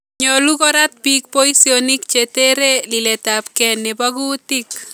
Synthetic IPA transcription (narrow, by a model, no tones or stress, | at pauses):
ɲɔlukɔɾat̪̚pik̚poisionikt͡ʃeteɾeliletap̚kɛnebaɡutik